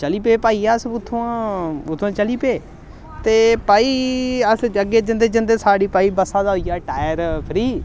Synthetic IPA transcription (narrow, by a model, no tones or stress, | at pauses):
t͡ʃəliːpeːpaːiːasʊt̪ʰːõãːʊt̪ʰːãːt͡ʃəliːpeː | t̪eːpaːiːəsəɡeːd͡ʒɪnd̪eːd͡ʒɪnd̪eːsaːɽiːpaːiːbəsaːd̪aːɦoiːjaːʈaːəɾpʰɪɾiː